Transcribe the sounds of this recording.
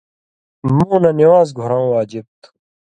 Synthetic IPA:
mũːnɐniwaːzɡʱoɾãːũːwaːd͡ʑib̚t̪

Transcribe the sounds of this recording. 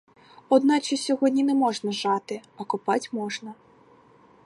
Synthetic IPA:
ɔd̪nɑt͡ʃɐsʲɔɦɔdʲnʲinɛmɔʐnɐʒɑt̪ɪɐkʊpɑtʲmɔʐnɐ

